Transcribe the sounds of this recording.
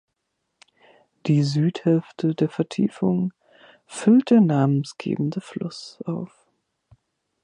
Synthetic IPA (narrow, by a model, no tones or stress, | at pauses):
d̥iːzyːthɛlftʰədeːɐfɛɐtʰḭːfʊŋ | fʏlt̚d̥eːɐnaːmənsɡ̥ḛːbm̩dəflʊsʔaʊf